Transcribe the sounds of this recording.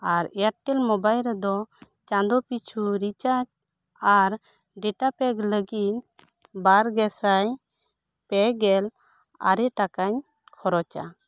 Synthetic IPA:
aɾɛaʈ̚ʈɛlmɔbajlɾɛd̪ɔ | t͡ʃãnd̪ɔpit͡ʃʰuɾit͡ʃat͡ʃ | aɾ | ɖɛʈapɛɡləɡit̪̚ | baɾɡɛsaɲ | pɛɡɛl | a̰ɾɛʈakaɲ | hʰɔɾɔt͡ʃa̰

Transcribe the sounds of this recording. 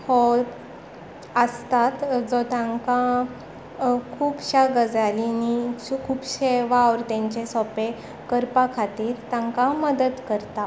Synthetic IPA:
ho | əst̪at̪d͡zɔt̪ãŋka | kʰuːpɕaɡəd͡zalinikʰuːpɕeʋaʋɾt̪ãɲt͡ɕesɔpe | kəɾpakʰat̪iːɾt̪ãŋkaməd̪əd̪kəɾt̪a

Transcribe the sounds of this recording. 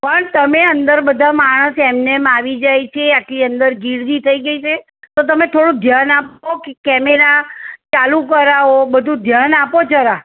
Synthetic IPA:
pəɳt̪əmeənd̪əɾbəd̪ʱamaɽ̃əsɛmnemaʋid͡ʒajt͡ʃʰeaʈliənd̪əɾɡiɽd̪it̪ʰəiɡəit͡ʃʰe | t̪ot̪̬əmet̪ʰoɽũd̪ʱjanapokekɛmeɾat͡ʃalukəɾaɦobəd̪ʱũd̪ʱjanapot͡ʃʰəɾa

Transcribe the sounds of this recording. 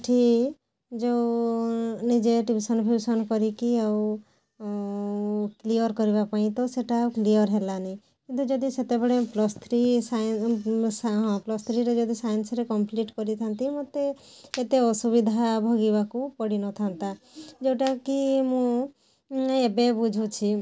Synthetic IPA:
ʈʰi | d͡ʒew | nid͡ʒeʈibisɔnpʰjusɔnkɔɾikiaw | klijɔɾkɔɾibapaĩt̪ɔseʈaklijɔɾɦelanaĩ | kint̪ud͡ʒɔd̪iset̪ebɔɽeplɔst̪ʰɾisajn | ɦɔ̃plɔst̪ʰɾiɾed͡ʒɔd̪ʱisajnsɾekɔmpliʈkɔɾit̪ʰant̪imot̪e | et̪eɔsubid̪ʱabʱɔɡibakupɔɽinɔt̪ʰant̪a | d͡ʒewʈakimũ | ebebud͡ʒʱut͡ʃʰi

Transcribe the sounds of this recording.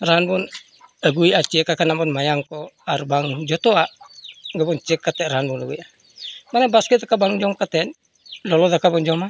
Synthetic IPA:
raɦanbun | əɡuiat͡ʃiɛkːakanambɔnmajaŋkɔaɾbaŋd͡ʒɔt̪ɔa | ɡəbɔnt͡ʃiɛkːat̪ɛɾaɦanbunəɡuja | manɛbaskɛt̪̚akabaŋd͡ʒɔmkat̪ɛn | lolɔðakabɔnd͡ʒɔma

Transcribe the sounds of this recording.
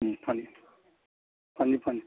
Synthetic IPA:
pʰani | pʰanipʰani

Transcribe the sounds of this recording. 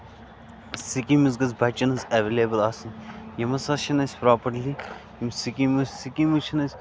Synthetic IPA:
sikimiz̬ɡɐzbʱɐt͡ʃːɐnɐzɐʋelʲeːbəlasɨnjɐmɐsɐʃɐnɐsʲpɾaːpɐɾlijɐmsikimusʲsikimut͡ʃʰinɐsʲ

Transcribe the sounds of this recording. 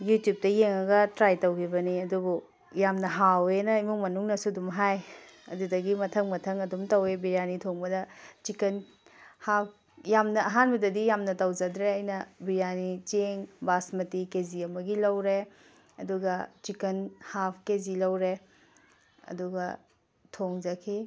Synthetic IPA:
jutjup̚tɐjeŋɐɡɐtɾajtɐwkʰibɐniɐdubu | jamnɐɦawenɐimuŋmɐnuŋnɐsudumɦaj | ɐ̰dudɐɡimɐtʰɐŋmɐtʰɐŋɐdumtɐwebiɾjanitʰoŋbɐdɐt͡ʃikɐn | hap̚ʰ | jamnɐːɦanbɐdɐdijamnɐtɐwd͡ʒɐdɾeɐjnɐbiɾjanit͡ʃeŋbasmɐtikeziɐmɐɡilɐwɾe | ɐduɡɐt͡ʃikɐnhapʰkezilɐwɾe | ɐ̰duɡɐ | tʰoŋzɐkʰi

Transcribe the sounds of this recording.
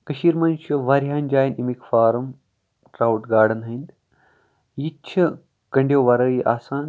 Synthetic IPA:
kɐʃiːɾmɐnt͡ʃʰuʋaɾɦaːnd͡ʒaːjnimikfaːɾɐm | ʈɾaːwʈɡaːɽɐnɦɐnd̪ | jit͡ʃʰɐ | kɐɳɖjoːʋɐɾɐjiʔaːsaːn

